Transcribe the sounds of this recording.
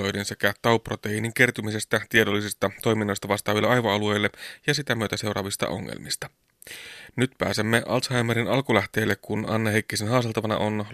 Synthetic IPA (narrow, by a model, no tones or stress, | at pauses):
ojdense̞kæt̪ɑuprot̪einiŋk̟e̞rt̪ymisest̪æt̪iedolːisist̪ɑt̪o̞jminːo̞jst̪ɑʋɑst̪ɑːʋilːeʔɑjʋoɑlue̞jlːejɑsit̪æmyøt̪æse̞wɾɑ̰ːʋist̪ɑ̰ʔo̰ŋːḛlmḭst̪ɑ̥ | nyt̪pæ̰ːsemːeʔɑ̰lt̪hɑjmeɾinɑlkulæht̪e̞ːlːekkunɑ̰nːɑhekːisenɦɑːst̪elt̪ɑʋɑnɑ̰ʔon